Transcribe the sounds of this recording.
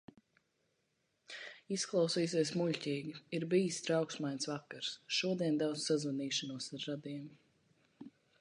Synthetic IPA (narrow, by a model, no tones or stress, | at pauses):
isklˠawsiːs̬iɛsmuʎʲcʲiːɡiiɾbiːst̪ɾawksmajnʲsvakːaɾsʃuɔd̪iɛnd̪awd̪zsazvaniːʃanuɔsaɾːad̪iɛm